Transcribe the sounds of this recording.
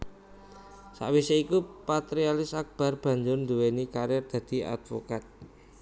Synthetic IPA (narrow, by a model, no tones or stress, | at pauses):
sa̰ʔwiseikupat̪ɾialɪsak̚b̥a̤rb̥a̤ɲd͡ʒʊnd̪uwenikaɾjɛrd̪̥a̤d̪̥i̤a̰d̪̥fokat̪̚